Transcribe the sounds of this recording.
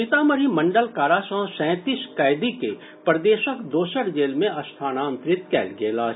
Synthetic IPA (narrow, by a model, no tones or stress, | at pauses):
ɪt̪aːməɾimɐ̃ɳɖəlkaːɾasə̃ɦsɛ̃ːt̪iskaːɪd̪ike | pɾəd̪eːʃəkd̪oːʃəɾd͡ʒeːlmẽɐst̪ʰaːnaə̃nt̪ɾɪt̪kɛ̰ːlɡeːlaː